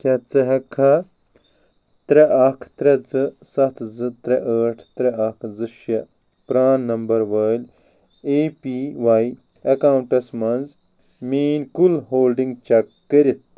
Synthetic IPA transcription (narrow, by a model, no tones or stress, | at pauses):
kʲɐt͡sɐɦɐkʰɐ | t̪ɾeʔɐkʰt̪ɾɐd͡zɨsɐt̪ʰzɨt̪ɾɐʔəːʈʰt̪ɾɐɐkʰzɨʃɐ | pɾaːnːɐmbɐɾʋɐːlʲ | eːpiʋaːj | ɐkaːwɳʈɐsmɐnz | meːnkulɦoːlɖiŋɡt͡ʃɐkːɐɾit̪̚